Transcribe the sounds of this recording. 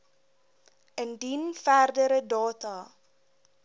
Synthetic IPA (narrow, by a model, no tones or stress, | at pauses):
əndinfærdəɾədɑːtɑː